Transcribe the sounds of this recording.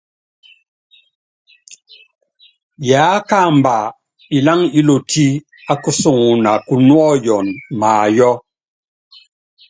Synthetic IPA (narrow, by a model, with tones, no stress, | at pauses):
jaː˨˦ka˦˨mba˨ | i˨la˦ŋi˦lo˨tʰi˦ | a˦ku˦sɔ˦˨ŋu˨na˨ku˨nwɔ˦jɔ˨nmaː˨jɔ˦